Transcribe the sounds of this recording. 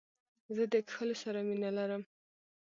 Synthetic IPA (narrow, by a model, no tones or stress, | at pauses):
zəd̪əkxəlosaɾaminalaɾəm